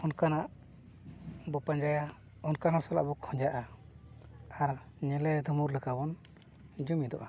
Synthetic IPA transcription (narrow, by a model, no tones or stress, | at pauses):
ɔnkanaʔ | bɔpaɲd͡ʒaja | ɔnkaɦɔsala̰ʔbɔkʰɔ̃ɲd͡ʒaʔa | aɾ | ɲɛlɛd̪ʱɔmuɾləkabɔn | d͡ʒumid̪ɔ̰ʔa